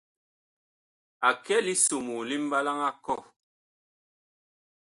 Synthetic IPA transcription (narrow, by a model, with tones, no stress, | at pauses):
a˨kɛ˦li˦so˨mu˨li˦m̩˦ba˦la˦ŋa˦kɔ˦˨